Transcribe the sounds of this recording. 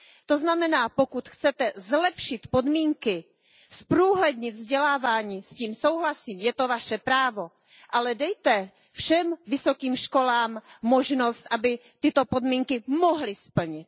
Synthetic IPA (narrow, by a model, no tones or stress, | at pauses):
t̪o̞znamɛnaːpokut̪xt͡sɛt̪ɛzlɛpʃɪt̪podmiːŋkɪ | spɾuːɦlɛd̪ɲɪt̪vzɟɛlaːvaːɲiːsciːmso̞wɦlasiːmjɛt̪o̞vaʃɛpɾaːvo̞ | ʔalɛdɛjt̪ɛ | fʃɛmvɪsokiːmʃko̞laːmːoʒnost̪ʔabɪ | t̪ɪt̪opodmiːŋkɪmoɦlɪspl̩ɲɪt̪̚